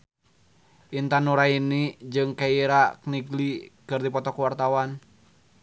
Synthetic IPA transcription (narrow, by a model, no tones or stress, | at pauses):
ʔint̪anuɾainid͡ʒɨŋkaiɾakniɡlikɨrdipɔt̪ɔkuwart̪awan